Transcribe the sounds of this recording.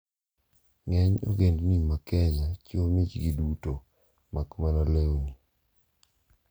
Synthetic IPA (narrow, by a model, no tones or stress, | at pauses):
ŋɛɲo̰ɡendnimakɛɲat͡ʃomit͡ʃɡiduto | makmanaleni